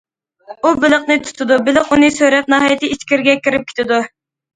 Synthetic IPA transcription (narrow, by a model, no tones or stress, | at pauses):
ubɪləqnɨt̪ʰu̥t̪ʰɨd̪ubɪlɪqunɨsøɾɛp̚nɑɦɑjɛt̪ʰɪit͡ʃkʲiɾɡʲɛkʲiɾɪp̚kʲʰe̥t̪ʰɪd̪u